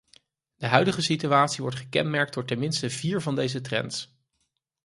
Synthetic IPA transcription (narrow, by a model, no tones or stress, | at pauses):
d̥əɦœɥdəχəsityaːtsiʋɔɹtχəkɛ̰nmɛɹk̚d̥ʊːɹtɛnmɪnstəviːɹvɑndejzətrɛ̰nts